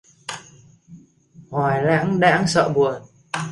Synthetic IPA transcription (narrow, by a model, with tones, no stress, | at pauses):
hwaː˨˩jla̰ː˧˥ŋɗa̰ː˧˥ŋsə̰ː˧˨ɓu˨˩ən